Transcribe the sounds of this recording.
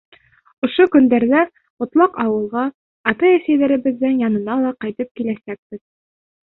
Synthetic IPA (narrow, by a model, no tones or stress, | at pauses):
ŏʃokɵ̆nd̪æɾðæ | ŏt̪lˠɑqɑwɤ̆lˠʁɑː | t̪ɑæsæjðæɾɘ̆bɘ̆ðːɘŋjɑnɤ̆nɑlˠɑqɑjt̪ɤp̚kilæsæk̚bɘð